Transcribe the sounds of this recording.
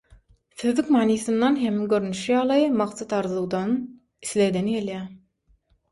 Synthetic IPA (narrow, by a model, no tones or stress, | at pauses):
θøðykmɑːniːθɯnd̪ɑnɦemɡø̞ɾynyʃjɑːlˠɯjmɑqsɑt̪ɑɾðlˠɯɣd̪ɑn | iθled̪enɡeljæː